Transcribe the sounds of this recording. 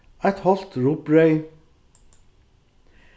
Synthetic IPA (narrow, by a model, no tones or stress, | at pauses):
æɪt̪hɔlt̪ɹuːpɹœʏ